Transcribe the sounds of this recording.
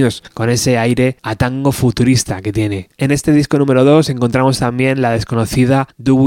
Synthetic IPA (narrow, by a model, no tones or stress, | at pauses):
osko̞ne̞se̞ajɾe̞at̪aŋɡo̞fut̪uɾist̪a̰ke̞t̪je̞ne̞ene̞st̪e̞ðisko̞nũme̞ɾo̞ð̞o̞se̞ŋko̞nt̪ɾamo̞st̪ambjẽ̞nlaðe̞sko̞no̞θiðad̪u